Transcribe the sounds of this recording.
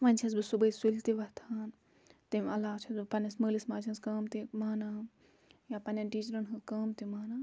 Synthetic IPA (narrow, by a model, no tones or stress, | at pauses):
ʋɐnʲt͡ʃʰɐs̬bɨsubəjsult̪iʋɐt̪ʰaːn | t̪imɐlaːt͡ʃʰisbɨpɐnɐsməːlismaːt͡ʃʰɐskɐːmt̪imaːna | japɐnɐnʈiːt͡ʃɾɐnɦɨkɐːmt̪imaːna